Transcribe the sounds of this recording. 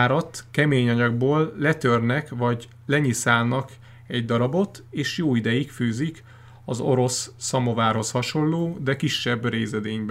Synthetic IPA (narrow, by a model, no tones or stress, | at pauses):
aːɾɒt̪kɛmeːɲɒɲɒɡ̚boːlːɛt̪ørnɛkʋɒɟ | lɛɲisaːlnɒk | ɛɟd̪ɒɾɒbo̞t̪eːʃjoːid̪ɛjikfyːzik | ɒzo̞ɾo̞sːɒmo̞vaːrɦo̞shɒʃo̞lloːd̪ɛkiʃːɛbreːzɛd̪eːɲbɛ